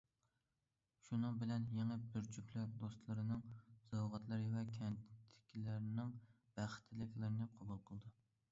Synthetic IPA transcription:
ʃunɨŋbɪlɛnjeŋɛbyɾt͡ʃʰykʲlæɾd̪ost̪lˠɨɾɨnɨŋz̥ɑwʁɑt̪lˠɨɾɨvɛkʲʰɛntt̪ʰɪ̥kʲʰilæɾnɪŋ | b̥æχt̪ʰːlɪkʲlɪɾɪnɨqʰɑbulˠqʰəlˠɨd̪ɨ

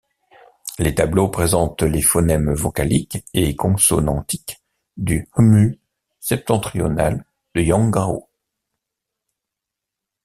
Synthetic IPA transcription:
let̪ablopχezɑ̃t̪lefɔnɛmvɔkalikeekɔ̃sɔnɑ̃t̪ik | d̪ymy | sɛp̚t̪ɑ̃t̪χiɔ̰nal | d̪̥əjɑ̃ɡaʁo̰

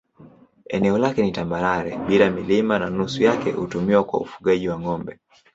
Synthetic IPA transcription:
ɛnɛɔlakɛnitambaɾaɾɛɓilamilimananusujakɛ̰hutumiwakwa̰ṵfu̥ɠaʄiwaŋɔmbɛ

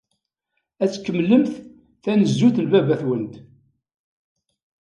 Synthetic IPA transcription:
æt͡sːkːəmːləmθ | θænəzːuθnvævæθwənd̪

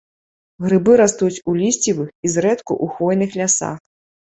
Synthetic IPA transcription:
ɣɾɨbɨɾast̪ut͡sʲulʲisʲt͡sʲivɨxizɾɛt̪kṵʔuxvɔjnɨxlʲasa̰x

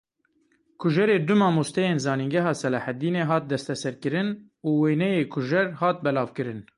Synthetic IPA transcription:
kʰʊʒɛɾeːd̪ʊmɑːmoːst̪ɛjeːnzɑːniŋɡɛɦɑːsɛlɑhɛd̪iːneːɦɑːt̪̚d̪ɛst̪ɛsɛɾkɨɾɨn | uːweːnɛjeːkʰʊʒɛɾhɑːt̪̚bɛlɑːvkɨɾɨn

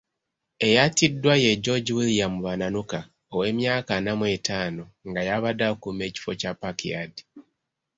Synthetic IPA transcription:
e̞jatidːwaje̞ɟo̞ɟiwulijamuβananuka | owe̞ːmjaːkanamwe̞taːno̞ŋɡajaβadakume̞ːci̥fo̞capakia̰di̥

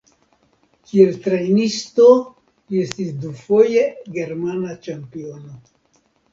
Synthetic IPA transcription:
kie̞lt̪ɾejnisto̞ | lie̞st̪isd̪ufo̞je̞ɡe̞ɾmanat͡ʃampio̞no̞

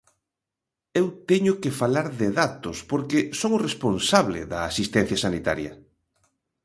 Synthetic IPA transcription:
ewt̪ɛɲʊkɪfalaɾðɪðat̪ʊspoɾkesoŋʊresponsaβlɪ̰ðɐːsist̪ɛn̟θjɐsanit̪a̰ɾjɐ̰

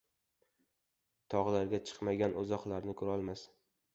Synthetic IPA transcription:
t̪ʰɒʁlaɾɡʲat͡ʃʰɨ̥qmaɡʲanʔozɒχlˠaɾnɪkʰʊɾɒlˠmas

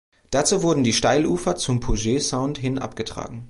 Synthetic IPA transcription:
d̥at͡suːvʊɐdn̩diːʃtaɪlʔuːfɐt͡sʊmpʰoʒeːzaʊntɦɪnʔa̰pɡ̥ətʁ̥a̰ːɡŋ̩

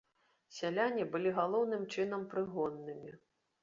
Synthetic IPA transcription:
sʲalʲanʲibɨlʲiɣalˠɔwnɨmt͡ʂɨnɐmpɾɨɣɔnːɨmʲi

